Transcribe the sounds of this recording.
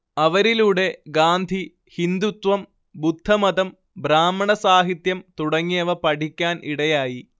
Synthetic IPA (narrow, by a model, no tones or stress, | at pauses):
ɐʋɐɾiluːɽe̞ɡaːnd̪ʱi | hind̪ut̪ʋɐm | bud̪ʱːɐmɐðɐm | bɾaːmːɐɳɐsaːɦit̪jɐmt̪uɽɐŋːijɐʋɐpɐʈʰikʲːaːniɽɐjaːji